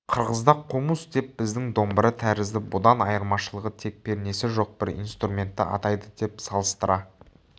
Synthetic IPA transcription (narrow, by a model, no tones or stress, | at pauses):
qʰəɾʁəzd̪ɑqʰːumusd̪e̞pbɪzd̪ɪŋd̪o̞mbəɾət̪ʰæɾɪzd̪ɪbʊd̪ɑnɑjəɾmɑʃəlˠəʁət̪ʰe̞k̚pe̞ɾne̞sɪʒo̞q̚b̥ɪɾḭnst̪rumʲe̞nt̪ːɪ̰ʔɑ̰t̪ɑjd̪əd̪̥e̞psɑlˠəst̪əɾɑ